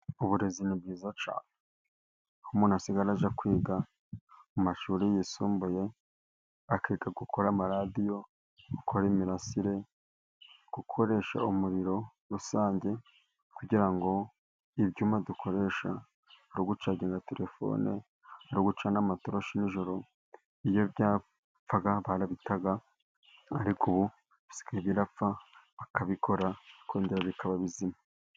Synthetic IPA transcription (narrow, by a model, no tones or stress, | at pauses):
uβuɾe̞zinibɡiːzat͡ʃa̰ːne | humuːnhasiɡaɾaʒakwiːɡa | mumaʃuːɾijisuːmbuje̞ | akeɡaɡukʰoɾamaɾadijo̞ː | kʰoɾeːmiɾasiɾe̞ | ɡ̥ukʰo̞ɾe̞ʃa̰umuɾiɾo̞ | ɾusaːɲɟe̞ | kuɟiɾaŋɡo̞ | ibɟuːmadukʰo̞ɾe̞ʃa̰ | aɾuɡut͡ʃaɟeŋɡate̞ɾe̞fo̞̰ne | aɾuɡut͡ʃanamatoɾoʃiniʒo̞ɾo̞ | ijo̞bjaː | p͡faɡaβaɾaβitaɡa | aɾikuβu | βi̥si̥kaeβiɾafaβakaβikʰo̞ɾakʰoːndiɾaβikʰaβaβizima